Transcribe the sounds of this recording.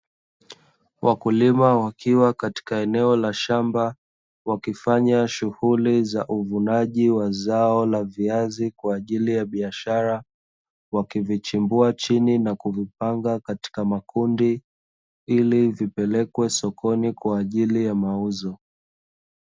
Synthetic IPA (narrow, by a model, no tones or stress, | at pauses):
wʔakulimawakiwakati̥kaɛnɛɔlaʃamba | wakifaɲaʃuhulizaʔuvunaʄiwazaɔlaviazikwaːʄilijaɓiaʃaɾa | wakivit͡ʃimbuat͡ʃininakuvip̚aŋɡakati̥kamakundi | ilivipɛlɛkwɛsɔkɔnikwaːʄilijamauzɔ